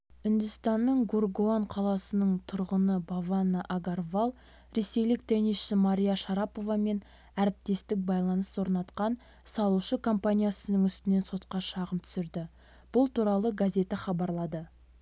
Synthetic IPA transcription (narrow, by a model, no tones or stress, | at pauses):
ʏnd̪ʏst̪ɑnːəɴɡorɡoaɴqʰɑlˠɑsənəɴt̪ʰʊɾʁənəbavanːəʔaɡarvalˠ | ɾe̞se̞jlɪk̚t̪ʰeniʃsɪmaɾʲijaʃɑɾɑpo̞vɑme̞n | æɾɪp̚t̪e̞st̪ɪk̚bɑjlˠɑnəswo̞ɾnɑt̪qɑn | sɑlˠuʃəkʰo̞mpanʲijasənəɴʏst̪ɪne̞nso̞t̪qɑʃɑʁəmt̪ʰʏ̥sɪɾd̪ɪ | b̥ʊlˠt̪ʰuɾɑlˠəɡazʲe̞t̪aχɑbɑɾlˠɑd̪ə